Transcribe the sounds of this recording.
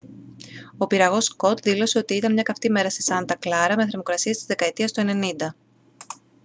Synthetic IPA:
o̞piɾɐɣo̞sko̞t̪ðilo̞se̞o̞t̪iit̪ɐnmɲɐkɐft̪ime̞ɾɐsesɐnd̪ɐklɐɾɐme̞θɾemo̞kɾɐsiɐst̪izðe̞kɐe̞t̪iɐst̪oe̞ne̞nind̪ɐ

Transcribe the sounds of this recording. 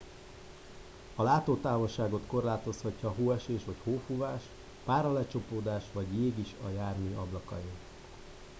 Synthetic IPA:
ɒlaːt̪oːt̪aːvo̞ʃaːɡo̞t̪ko̞rlaːt̪o̞shɒcːɒɦoːɛʃeːʃʋɒchoːfuvaːʃ | paːɾɒlɛt͡ʃo̞poːd̪aːʃʋɒɟjeːɡiʃɒjaːrmiɒblɒkɒ̰jin

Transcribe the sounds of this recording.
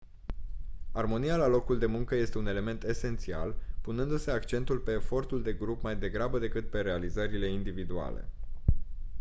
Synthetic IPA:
armo̞nijalalo̞kuld̪e̞muŋkəje̞st̪e̞une̞le̞me̞nt̪e̞se̞nt̪sia̰lpunɨnd̪use̞akt͡ʃe̞n̪t̪ulpe̞ːfo̞rt̪uld̪e̞ɡɾupmajd̪e̞ɡɾabəd̪e̞kɨt̪̚pe̞ɾe̞alizəɾile̞ind̪ivid̪ua̰le̞̰

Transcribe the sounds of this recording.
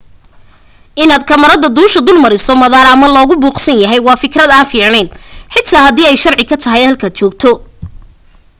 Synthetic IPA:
ʔɪnaːd̪kʰɐmɐɾɐðɐd̪uːʃɐd̪ʊlmɐɾɪsɔmɐðaːɾɐmɐlɔːɣʊbuːqsɐnjɐɦɛjwɑːfɪkrɐd̪aːnfiːʕnɛjnħɪt̪ʰaːhɐd̪iːɛjʃɐrʕɪkʰɐt̪ʰɐɦɛjhɐlkʰaːd̪̚t͡ʃɔːɡ̚t̪ʰɔ

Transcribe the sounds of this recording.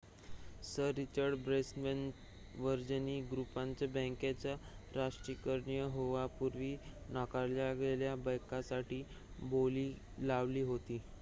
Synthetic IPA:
səɾːit͡ɕəɾɖbɾesmən | ʋəɾd͡ʑəniːɡɾupaɲt͡ɕjabə̃ŋkat͡ɕjaɾaʂʈɾikəɾɳijəɦoʋapuɾʋiːnakaɾljaɡleljabajkasaʈiː | boliː | laʋliːɦot̪iː

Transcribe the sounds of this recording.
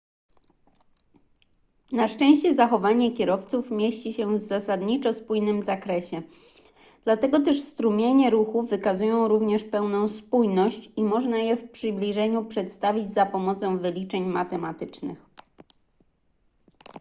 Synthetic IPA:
naʂt͡ʂɛ̃w̃ɕt͡ɕɛzaxɔvaɲɛkʲɛɾɔft̪sufmʲjeɕt͡ɕiɕɛvzasad̪ɲit͡ʂɔspujnɘmzakɾɛɕɛ | d̪̥lat̪ɛɡɔt̪ɛʂst̪ɾumʲjeɲɛɾuxuːɘkazujɔ̃w̃ɾuvɲɛʂpɛwnɔ̃w̃spujnɔɕt͡ɕimɔʐnajɛfpʂɘblʲiʐɛɲupʂɛt̪st̪avʲid͡ʑzapɔmɔt̪sɔ̃w̃vɘlʲit͡ʂɛɲmat̪ɛmat̪ɘt͡ʂnɘ̰x

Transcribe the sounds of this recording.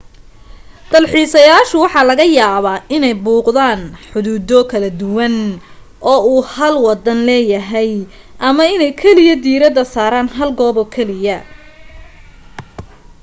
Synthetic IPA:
d̪̥ɐlħiːsɐjaːʃʊwɑħɑːlɐɣɐjaːβaːʔɪnɛjbuːqðaːnħʊðuːd̪ɔkʰɐlɐd̪ʊwɐn | ʔɔːuːhɐlwɑd̪ɐnlɛːjɐɦɛj | ʔɐmɐɪnɛjkʰɛlɪjɐd̪iːɾɐðɐsaːɾaːnɦɐlɡɔːbɔkʰɛlɪjɐ

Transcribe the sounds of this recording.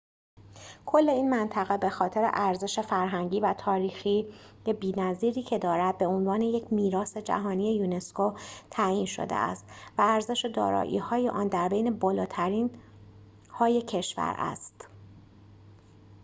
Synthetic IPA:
kʰo̞lːe̞iːnmænt̪ʰæɣe̞be̞xɒːt̪ʰe̞ɾḛʔæɾze̞ʃe̞fæɾɦæŋɟiːvæt̪ʰɒːɾiːxiː | jebiːnæziːɾiːcʰe̞d̪ɒːɾæd̪̚beonvɒːne̞je̞cʰmiːɾɒːse̞d͡ʒæ̰ɦɒːnije̞juːne̞skot̪ʰæiːnʃo̰d̪ḛʔæ̰st̪væːɾze̞ʃe̞d̪ɒ̰ːɾɒ̰ːʔḭːhɒːjeʔɒːnd̪æɾbe̞jne̞bɒːlɒːt̪ʰæɾiːn | hɒːje̞cʰe̞ʃvæ̰ɾæ̰st̪

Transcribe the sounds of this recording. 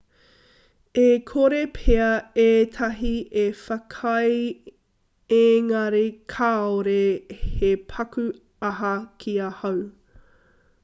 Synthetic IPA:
ekʰoɾepʰeɐeːtʰɐɦiʔefɐkʰɐj | eːŋɐɾikʰaːoɾehepʰɐkʉ | ɐɦɐkʰiɐhɐw

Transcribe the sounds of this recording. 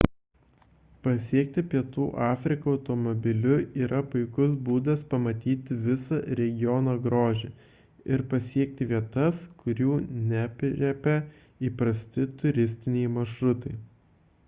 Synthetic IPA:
pɐsʲiɛk̚t̪ʲɪpʲiɛt̪uːʔɑːfʲɾʲɪkɐɐʊt̪ɔmɔbʲɪlʲʊiːɾʔɐpʊɪkʊsbuːd̪ɐspɐmɐt̪ʲiːt̪ʲɪʋʲɪsɐɾʲɛɡʲɪjɔːnɐɡɾoːʒʲe | ɪɾpɐsʲiɛk̚t̪ʲɪʋʲiɛt̪ɐskʊɾʲuːnʲæpʲɾʲɛpʲɛ | iːpɾɐsʲt̪ʲɪt̪ʊɾʲɪsʲt̪ʲɪnʲɛɪmɐʃɾʊt̪ɐɪ

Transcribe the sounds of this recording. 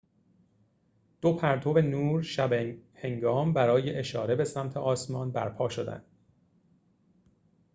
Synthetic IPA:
d̪̥o̞pʰæɾt̪ʰo̞venuːɾʃæbhe̞ŋɡɒːmbæɾɒːjeʔeʃɒːɾe̞be̞sæmt̪ʰe̞ʔɒːsmɒːnbæ̰ɾpʰɒːʃo̞d̪æ̰nd̪̥

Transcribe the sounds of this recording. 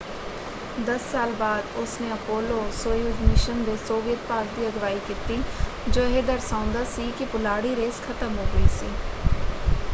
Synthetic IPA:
d̪əsːaːlbaːd̪ʊsnẽːəpoːloːsoːjud͡ʒmɪʃənd̪eːsoːʋɪəd̪̚paːɾd̪iːəɡʋaːiːkiːt̪iːd͡ʒoːɦeːd̪əɾsãːʊ̃nd̪aːsiːkɪpʊlaːɽiːɾeːskʰət̪əmɦoːɡəḭːsḭː

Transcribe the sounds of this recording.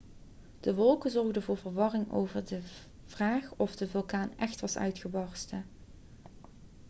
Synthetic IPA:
d̥əʋɔlˠkənzɔɹɣdənvʊːɹvəɹʋɑrɪŋo̰wvəɹdə | v̥raːχɔfdəvɵlˠkaːnɛxtʋɑsœ̰ɥtχəbɑɹstə

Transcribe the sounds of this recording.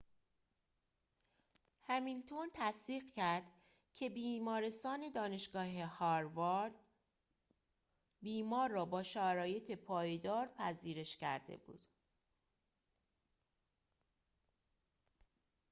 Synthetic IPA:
hæmint̪ʰont̪ʰæsd̪iːɢcæɾd̪̥ | cʰe̞biːmɒːɾe̞st̪ɒːne̞d̪ɒːne̞ʃɡ̥ɒːɦe̞hɒɾvɒɾd̪ | biːmɒːɾːɒːbɒːʃæɾɒːje̞t̪ʰe̞pʰɒːjd̪ɒːɾpʰæziːɾe̞ʃcæ̰ɾd̪e̞̰bṵːd̪̥

